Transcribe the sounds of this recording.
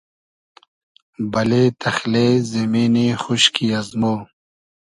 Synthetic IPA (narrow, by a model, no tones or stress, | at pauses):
bɐleːt̪ʰɐxleːzɐmiːnixuɕkiɐzmoː